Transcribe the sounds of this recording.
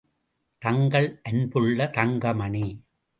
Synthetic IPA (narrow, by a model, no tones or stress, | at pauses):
t̪ɐŋɡɐɭʔɛnbɯɭːɐt̪ɐŋɡɐmɐɳi